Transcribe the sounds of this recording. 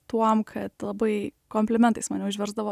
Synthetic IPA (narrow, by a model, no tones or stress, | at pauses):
t̪uɔmkʰɐt̪lˠɐbɐɪkoːmʲpʲlʲɪmʲɛnt̪ɐɪsmɑnʲɛʊʒʲʋʲɛɾzd̪ɐʋoː